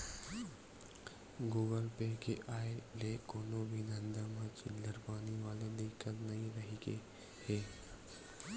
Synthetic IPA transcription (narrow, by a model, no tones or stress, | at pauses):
ɡuːɡəlpeːkeʔaːeleːkoːnobʱid̪ə̃nd̪amãt͡ʃḭlləɾpaːniʋaːled̪ɪkəlnɐɦĩɾɐɦike | heː